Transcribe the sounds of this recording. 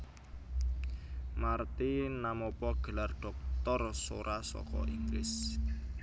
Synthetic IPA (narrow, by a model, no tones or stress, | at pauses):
mart̪inamɔpɔɡ̥ə̤larɖ̥ɔ̤k̚t̪ɔrso̰ɾʔasɔ̰kɔ̰ʔiŋɡlɪ̰s